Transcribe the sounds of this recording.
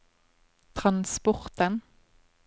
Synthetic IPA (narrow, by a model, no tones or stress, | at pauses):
t̪ʰʁɑnspɔʁt̪ən